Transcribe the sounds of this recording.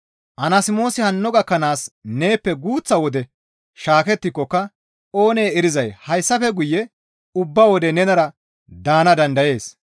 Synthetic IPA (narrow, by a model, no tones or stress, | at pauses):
ʔɐnɐsɪmo̞ːsɪhɐnːɔɡɐkːɐnaːsne̞ːpːɛɡuːt͡sːɐwɔd̪ɛ | ʃaːkɛt̪ːɪkːɔkːɐ | o̞ːne̞ːɛɾɪzɐjhɐjsːɐfɛɡʊjːɛ | ʊbːɐwɔd̪ɛnɛnɐɾɐ | d̪aːnɐd̪ɐnd̪ɐje̞ːs